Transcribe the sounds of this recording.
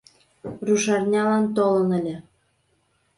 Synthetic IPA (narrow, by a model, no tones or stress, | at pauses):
ruʃɑrnʲɑlɑnt̪olə̆nə̆lʲĕ